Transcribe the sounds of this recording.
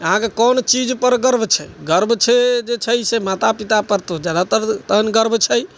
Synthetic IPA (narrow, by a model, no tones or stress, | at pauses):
əɦãkekɔnt͡ʃid͡ʒpəɾɡəɾbt͡ʃʰɛɡəɾbʱt͡ʃʰed͡ʒet͡ʃʰəjsemat̪apit̪apəɾt̪od͡ʒjad̪at̪ət̪ənɡəɾbʱt͡ʃʰəj